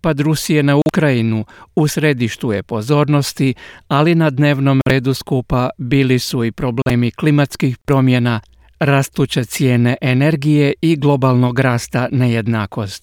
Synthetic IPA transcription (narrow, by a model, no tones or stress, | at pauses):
pad̪ɾusije̞naukɾajinuusɾe̞d̪iʃt̪uje̞po̞zo̞ːɾno̞st̪ialinad̪ne̞ːʋno̞mɾe̞ːd̪uskupabiːlisuipɾo̞ble̞ːmiklimat̪skixpɾo̞mje̞na | ɾast̪ut͡ɕet̪sje̞ːne̞ʔene̞ɾɡije̞iɡlˠo̞balˠno̞ɡɾaːst̪ane̞je̞d̪naːko̞st̪